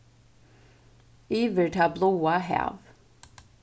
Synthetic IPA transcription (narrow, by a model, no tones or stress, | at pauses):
ivətʰablowaɦæ̰v